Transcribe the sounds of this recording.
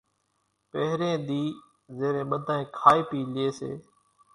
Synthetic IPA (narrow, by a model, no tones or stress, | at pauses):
pəɦɾẽːɗ̪iː | zeːɾẽːɓəd̪ʱaːẽːkʰaːiːpiːlɪeːsḛː